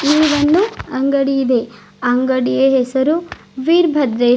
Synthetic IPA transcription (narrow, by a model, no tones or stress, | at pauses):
iːʋɐnd̪uɐŋɡɐɽijid̪e | ɐŋɡɐɽijeɦesɐɾu | ʋiːɾbʱɐd̪ɾeː